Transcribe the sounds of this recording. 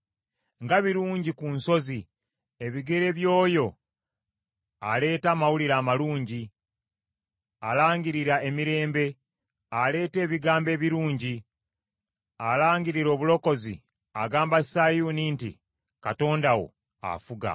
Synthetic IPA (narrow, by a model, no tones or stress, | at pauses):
ŋɡaβiɾuːɲɟikunso̞zi | e̞βiɡe̞ɾe̞βjo̞ːjo̞ | ale̞ːtaːmawuliɾaːmaluːɲɟi | alaːŋɡiɾiɾaemiɾe̞ːmbe̞ | ale̞ːte̞ːβiɡaːmbe̞ːβiɾuːɲɟi | alaːɲɡiɾiɾo̞ːβulo̞ko̞zḭ | aɡaːmbasajuːnintḭ | kato̞ːndawo̞̰ | a̰fuɡa̰